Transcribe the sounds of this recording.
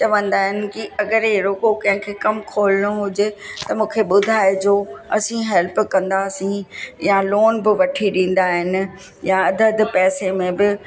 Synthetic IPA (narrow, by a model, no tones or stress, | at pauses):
t͡ɕɐʋə̃nd̪aːɦɪnɪ̆kiɐɡəɾɦeɾoːkokɐ̃ɦɪ̃kʰeːkɐmkʰoːlɪɽ̃oɦʊd͡ʑet̪ɐmũːkʰeɓʊd̪ʱaːɪd͡ʑoːɐsĩɦɛlpkɐ̃nd̪aːsĩjaloːnbɪʋɐʈʰiɗĩːn̆d̪aːɦɪnɪ̆ | jaɐd̪ʱəd̪pɛːsemẽbɪ